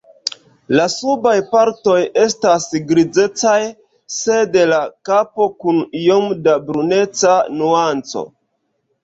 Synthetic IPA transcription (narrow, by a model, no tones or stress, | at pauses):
lasubajpaɾto̞je̞stasɡɾid͡ze̞t͡saj | se̞de̞lakapo̞kunjomdabɾune̞t͡sanuant͡so̞̰